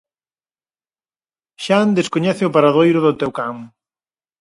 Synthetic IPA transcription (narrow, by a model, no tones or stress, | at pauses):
ʃand̪eskoɲɛθɪʊpaɾaðojɾʊðʊt̪ɛwkaŋ